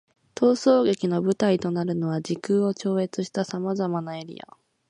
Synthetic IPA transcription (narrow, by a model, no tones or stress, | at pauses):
t̪o̞ːso̞ːɡe̞kʲino̞bɯ̟t̪ait̪o̞naɾɯ̟no̞βad͡ʑikɯːo̞t͡ɕo̞ːe̞t͡sɨɕi̥t̪asamazamanae̞ɾʲḭa̰